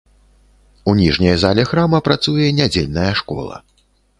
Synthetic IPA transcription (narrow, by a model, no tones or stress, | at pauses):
unʲiʐnʲɐjzalʲɛxɾamɐpɾat̪sujɛnʲad͡zʲelʲnɐjɐʂkɔ̰lˠɐ̰